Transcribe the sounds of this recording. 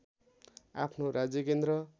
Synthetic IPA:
a̰pʰnoɾad͡zjʌkend̪ɾʌ

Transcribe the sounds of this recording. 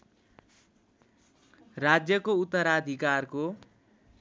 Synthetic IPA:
rad͡zjʌkout̪ːʌɾad̪ʱikarko

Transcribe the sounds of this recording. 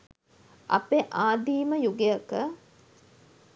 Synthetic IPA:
ʔɐ̰peʔaːd̪iːməjuɡeɐkə

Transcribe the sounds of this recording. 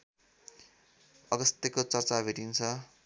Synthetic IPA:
ʌɡʌst̪jekot͡sʌrt͡sabʱiʈint͡sʰʌ

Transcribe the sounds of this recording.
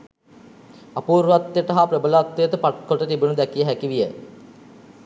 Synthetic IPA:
ɐpuːɾʋat̪ːjəʈɐɦapɾəbəlat̪ːejət̪əpaʈ̚kʰoʈət̪ibunud̪ɛkijəɦækiʋijə̰

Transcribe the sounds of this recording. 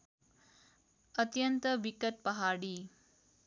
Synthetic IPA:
ət̪jənt̪əʋikət̪̚pɐɦaːɽi

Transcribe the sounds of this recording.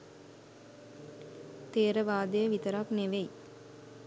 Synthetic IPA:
t̪eːɾəʋaːd̪ejəʋit̪əɾakneʋej

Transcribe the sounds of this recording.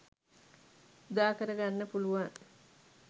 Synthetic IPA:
ud̪aːkəɾəɡanːəpuluʋaŋ

